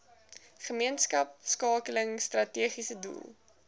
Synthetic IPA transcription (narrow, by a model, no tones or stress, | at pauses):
χəmiənskɐp̚skɑːkələŋstrɐtiəχisədṵlˠ